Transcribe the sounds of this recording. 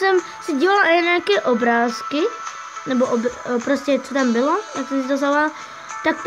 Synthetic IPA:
sɛm | siɟiːvalaʔaɛɲɛakɛʔobɾaːski | nɛbɔʔɔbpɾoscɛt͡sot̪ambɪlɔjaksɛmsit̪ozalal | t̪ak̚p

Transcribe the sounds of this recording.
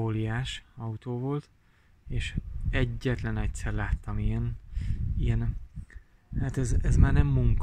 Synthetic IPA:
oːlijaːʃɒut̪oːvo̞lt̪ | eːʃɛɟːɛt̪lɛnɛcsɛrlaːt̪ːɒmijɛn | ijɛn | haːt̪ɛzɛzmaːrnɛmːuŋk

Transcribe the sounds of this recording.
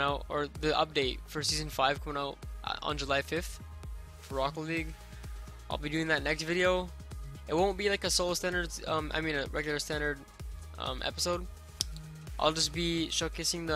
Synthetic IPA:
aʊtə˞ðiʔʌ̰p̚d̥eɪt̚fə˞sizɨ̃n̩faɪv̥kʰʌ̃mɪ̃ŋaʊt̚n̩d͡ʒəlaɪfɪfθ | fə˞ɹɑkl̩ˠliɡ | ʔaɪlˠbidʉɪ̃ŋðɨtⁿnɛkstvɪɾioʊ | ɨt̚wõʊ̃nb̥ilaɪkɨsoʊlˠstæ̃ndə˞dz̥ʌ̃mʔa̰ɪmĩnɨɹɛɡjl̩ˠə˞stæ̃ndə˞d̚ | ʔʌ̰̃mʔɛ̰pəsoʊd̥̚ | ʔa̰ɪlˠd͡ʒʌsb̥iʃokʰɪsɪ̃ŋðə

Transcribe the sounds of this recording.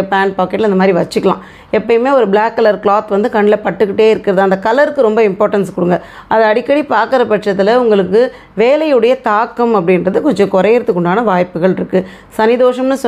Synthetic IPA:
paːnpaːkːɛʈːlɐnd̪ɐmaːd̪ɾiʋɐt͡ʃːɯkːɐlã̰ː | ɛpːɐjmeːɔɾɯbɭaːkːɐlɐɾkɭaːt̪ʋɐnd̪ɯkɐɳːɪlɐpɐʈːɯkːɪʈːeːɪɾɯkːɪɾɐðɯɐnd̪ɐkɐlɐɾɯkːɯɾɔmbɐɪmpoːɾʈɐnskɔɽɯŋɡɐ | ʔɐðɐɐɽɪkːɐɽipaːɾkɪɾɐpɐʈʂɐt̪ːɪlɐʊŋɡɐɭɯkːɯ | ʋeːlɐjɯɽɐjɐt̪aːkːɐmɐp̬ːɐɽɪnɾɐðɯkɔɲd͡ʒɔ̃kɔɾɐjɛɾɯt̪ːɯkːɔɳɖaːnɐʋaːjpːɯɣɐɭɪɾɯkːɯ | sɐnɪðoːʂɐmnɯsɔ

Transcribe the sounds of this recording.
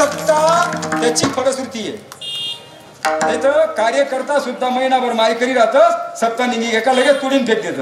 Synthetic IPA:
əkt̪at̪jat͡ɕiːkʰəɽəsuɾt̪ije | t̪et̪ʰəkaɾjəkəɾt̪asud̪ʱːaməinaʋəɾmajkəɾiːɾat̪əsək̚t̪aniniɡɛkaləɡet̪uɽiːnpʰek̚d̪et̪ə

